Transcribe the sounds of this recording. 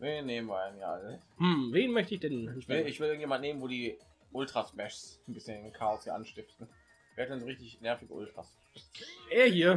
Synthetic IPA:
veːnːeːmən̩vaɪniːʔa̰ləhm̩veːnmœçtəɪçd̥ɛnvɪlɪçv̥ɪlʔɪŋ̩ntjeːmantneːmənvoːɾiː | ʔʊltʁ̥asmɛʃsnbɪsçənkʰaːɔshiːɐʔanʃtɪftn̩ | v̥eːhat̚dɛnzoʁɪçtɪçnɛɐfɪɡəʔʊ̰ltʁ̥as | ʔeːɐhiːɐ

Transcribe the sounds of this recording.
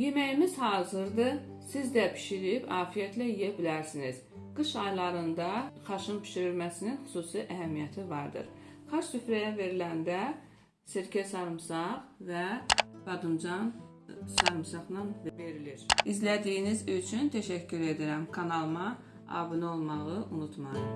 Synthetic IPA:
je̞mæjimiz̥hɑːzɯɾd̪ɯ | sizd̪æpʰi̥ʃiɾiipʰɑːfijæt̪ʰlæijæbilæɾsiniz̥ | ɡ̥ɯʃɑjlˠɑɾɯnd̪ɑχɑʃɯnpʰi̥ʃiɾilmæsininxu̥suːsiʔæɦæmijæt̪ʰivɑɾd̪ɯ̰ɾχɑt͡ʃsyfɾæjæve̞ɾilænd̪æ | seɾcʰæsɑɾɯmsɑʁvæɡ̥ɑd̪ɯmd͡ʒɑn | sɑɾɯmsɑʁnɑnvve̞ɾiliɾizlæd̪ijinizyt͡ʃʰynt̪ʰæʃæcʰːyɾe̞d̪iɾæmkʰɑnɑlˠɯmɑ | ɑ̰ːbɯnɯo̞lˠmɑʁɯʔunut̪ʰmɑɯ

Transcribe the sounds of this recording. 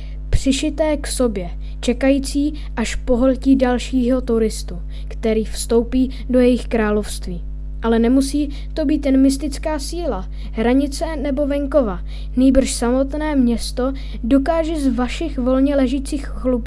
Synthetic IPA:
pr̝̥ɪʃɪt̪ɛːkso̞bjɛ | t͡ʃɛkajiːt͡siː | ʔaʃpo̞ɦolciːdalʃiːɦo̞t̪uɾɪst̪u | kt̪ɛɾiːfst̪o̞wpiː | dojɛjɪxkɾaːlo̞fst̪viː | ʔalɛnɛmusiː | t̪o̞biːt̪jɛnmɪst̪ɪt͡skaːsiːla | ɦɾaɲɪt͡sɛnɛbo̞vɛŋko̞va | niːbr̩ʃsamo̞t̪nɛːmɲɛst̪o̞ | do̞kaːʒɛzvaʃɪxvo̞lɲɛlɛʒiːt͡siːxxlup

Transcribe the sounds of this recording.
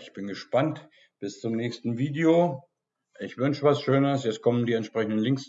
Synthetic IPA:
ɪçb̥ɪnɡəʃpant | b̥ɪst͡sʊmnɛːçstn̩viːdeoː | ʔɪçv̥ʏnʃəvasʃøːnəsjɛt͡st̚kʰɔməndiːɛntʃpʁ̥ɛçn̩dənlɪŋks

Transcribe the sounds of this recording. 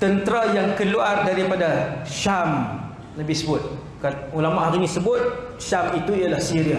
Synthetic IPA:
t̪ənt̪ɾajaŋkəluardaɾipadaʃam | ləbɪhsəbʊt̪̚ | kanulamaʔɦaɾinĩsəbʊt̪̚ | ʃamit̪uijalahsiɾia

